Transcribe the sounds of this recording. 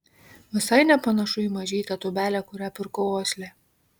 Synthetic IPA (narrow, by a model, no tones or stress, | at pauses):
ʋʲɪsɐɪnʲɛpɐnɐʃʊimɐʒʲiːt̪ɐt̪ʊbʲæːlʲɛkʊɾʲæpʲɪɾkoʊoːsʲlʲe